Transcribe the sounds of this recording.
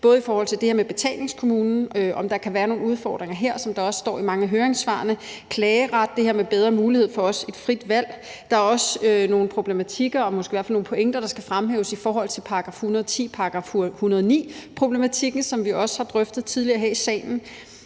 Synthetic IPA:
b̥ɔ̽ːð̞̩ˠifɒːhɒ̽l̰t͡sʰe̝ld̥e̝heɐ̰meb̥e̝t͡sʰɛ̰ːlne̝ŋskʰo̝muːnn̩øʔɒ̽md̥ɑ̈kʰæʋæːɐno̝ːn̩uð̞ˠfɒ̰ːd̥ʁeŋɐɦeɐ̰sɒ̽md̥ɑ̈ɒ̽ssd̥ɒ̰ːimɑ̈ŋəɦøːɐʁeŋsʋɑ̰̈ːnəkʰlɛːəʁad̥̚ːe̝hɦe̝ɐmeb̥eð̞ˠʁɐmuːlihe̝ð̞̰ˠfɒ̽ɒ̽se̝d̥fʁid̥ʋæl̰ | d̥ɑ̈æɐɒ̽søno̝ːn̩pʰʁo̝b̥le̝mæt͡sʰiɡ̥ɐɒ̽mɔsɡ̥eiʋæɐflno̝ːn̩pʰo̽eŋ̰d̥ɐɾ̥ɑsɡ̥æfʁamɦḛːʊsifɒːɦɒ̽l̰t͡sʰe̝lpʰɑ̈ɑɡ̥ʁɑ̈ːfhunɐðˠt͡sʰḭːpʰɑ̈ɑɡ̥ʁɑ̈fhunɐðˠnḭːpʰʁo̝b̥le̝mæt͡sʰiɡ̥n̩sɒ̽mʋiɒ̽sə̥hɑ̈d̥ʁœfd̥ð̩ˠt͡sʰiðˠliɐɦeɐ̰isɛ̰ːn̩

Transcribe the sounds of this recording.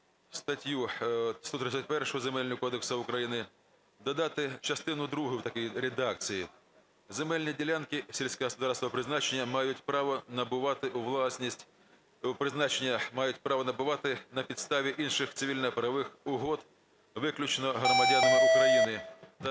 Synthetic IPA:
st̪ɐtʲjust̪ɔt̪ɾɪt͡sʲːɐt̚ʲpɛrʃʊɦɔzemɛlʲnʲɔkɔd̪eksɐʊkɾɐjinɪ | d̪ɐd̪ɑt̪ɪt͡ʃɐst̪ɪnʊd̪ɾuɦʊwt̪ɐkijɾed̪ɑk̚t͡sʲiji | zemɛlʲnʲidʲilʲankɪsʲilʲsʲkɛɦɔspʊd̪ɑrst̪ʋɔpɾɪznɑt͡ʃenʲːɐmɑjʊtʲpɾɑʋɔnɐbʊʋɑt̪ɪʔʊʋlˠɑsʲnʲisʲtʲ | ʊpɾɪznɑt͡ʃenʲːɐmɑjʊtʲpɾɑʋɔnɐbʊʋɑt̪ɪnɐpʲid̪st̪ɑʋʲiʔinʃɪxt̪sɪʋʲilʲnɐpɾɐʋɪxʊɦɔd̪ | ʋɪklʲʊt͡ʃnɔɦɾɔmɐdʲanɐmɪʊkɾɐjinɪt̪ɐ

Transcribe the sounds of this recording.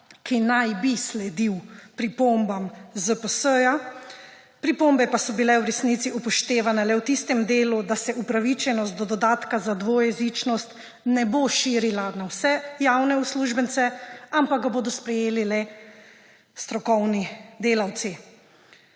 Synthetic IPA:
kinajbislɛd̪iwpɾipombamzəpəsəja | pɾipombɛpasɔbilɛwɾɛsnit̪siʔupɔʃt̪eːʋanɛlɛwt̪ist̪ɛmd̪eːlud̪asɛʔupɾaʋit͡ʃɛnɔst̪̚d̪ɔd̪ɔd̪aːt̪kazad̪ʋojɛzit͡ʃnɔst̪ | nɛboʃiːɾilanawsɛjaːwnɛusluːʒbənt̪sɛampaɡ̚ɡaboːd̪ɔspɾɛjeːlilɛ | st̪ɾɔkɔwnid̪eːlawt̪si

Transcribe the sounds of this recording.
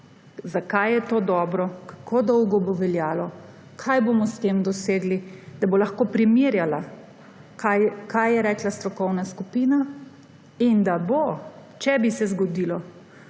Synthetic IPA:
zakajɛt̪oːd̪ɔːbɾɔkḁkʰod̪ɔwɡɔbɔʋɛljaːlɔ | kʰajbomɔst̪eːmd̪ɔseːɡlid̪abolaxkoːpɾimiːɾjala | kajkajɛɾɛːklast̪ɾɔkɔwnaskupiːna | ind̪abot͡ʃɛbisɛzɡɔd̪iːlɔ

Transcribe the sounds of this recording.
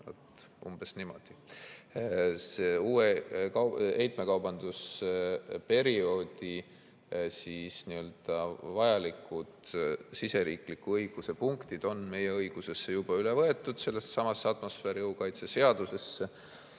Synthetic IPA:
no̰t̪ː | ʔṵmb̥esnimo̞̰d̪̥i | seuːekɑejt̪ˑme̞kɑwbɑnd̪̥us | pe̞ɾio̞ːd̪̥i | siːsniø̞ld̪̥ɑvɑjɑlikːˑud̪̥sise̞ɾiːklikːˑuɤjɡ̥use̞puŋkt̪id̪̥o̞nme̞je̞ɤjɡ̥use̞sːe̞jub̥ɑylevɤe̞t̪ːˑud̪̥se̞lːessɑmɑsːeɑt̪mo̞sfeːɾiɤwkɑjt̪sese̞ɑd̪̥use̞sːe

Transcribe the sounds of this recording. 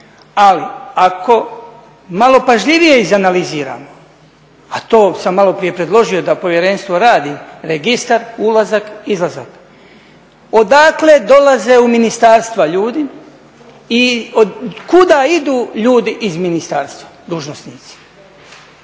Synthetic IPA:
aliako̞ | malo̞paʒʎiʋije̞izanaliziːɾa̰ːmo | at̪o̞ːsamːalˠo̞pɾije̞pɾe̞d̪lˠo̞ʒio̞d̪apo̞ʋje̞ɾe̞nst̪ʋo̞ɾaːd̪imɾeɡist̪aɾulˠazakizlˠazak | o̞d̪aːkle̞d̪o̞laze̞uminist̪aːɾst̪ʋaʎuːd̪i | iokud̪aːid̪uːʎuːd̪iʔizminist̪aːɾst̪ʋad̪uːʒnosniːt̪si̥

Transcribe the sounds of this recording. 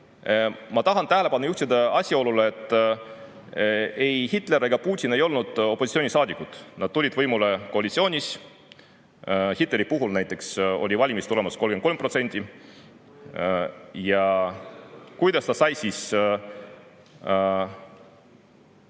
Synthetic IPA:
mɑt̪ɑɦɑnt̪æhele̞pɑnːujuht̪id̪ɑɑsʲjɑo̞luleːt̪ːˑ | e̞jhit̪ˑle̞ɾeɡ̥ɑpuːt̪ʲine̞jo̞lnud̪̥o̞pːˑo̞sʲi̥t̪sio̞ːnʲisɑːd̪ʲikːut̪nɑd̥̪̚t̪ulʲid̪vɤjmule̞ko̞ɑlʲit̪sio̞ːnʲis | hit̪ˑle̞ɾipuɦulnæjt̪ːˑe̞kso̞̰lʲivɑlʲimist̪ule̞mɑsko̞lɡeko̞lmpro̞t̪se̞nʲt̪ʲi | jɑ | kujd̪̥ɑst̪ɑsɑjsiːs

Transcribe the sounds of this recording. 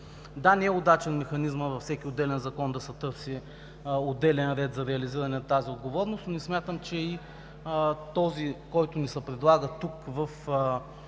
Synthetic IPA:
d̪anɛɛod̪at͡ʃɛnmɛxɐnizməvɐfsɛkʲiod̪ːɛlɛnzɐkɔnd̪ɐsɛt̪ɤɾsi | od̪ɛlɛnɾɛt̪zɐɾɛɐliziɾɐnɛnɐt̪aziod̪ɡovɔɾnʊst̪nʊnɛsmʲjat̪əmt͡ʃɛi | t̪ɔzikɔjt̪ʊnisɛpɾɛd̪lˠaɡət̪ukvɐf

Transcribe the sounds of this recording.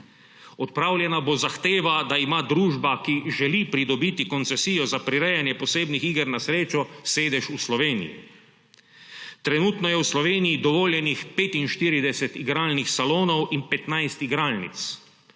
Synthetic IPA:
ɔt̪̚pɾaːwljɛnabozaxt̪eːʋad̪aimaːd̪ɾuːʒbakiʒɛlipɾid̪ɔbiːt̪ikɔnt̪sɛsijɔzapɾiɾɛjanjɛpɔseːbnixiɡəɾnasɾeːt͡ʃɔseːd̪ɛʃuslɔʋeːnḭjḭ | t̪ɾɛnut̪nɔjɛwslɔʋeːnijid̪ɔʋoːljɛnixpeːt̪inʃt̪iːɾid̪ɛsɛt̪iɡɾaːlnixsaloːnɔwinpɛt̪najst̪iɡɾaːlnḭt̪s

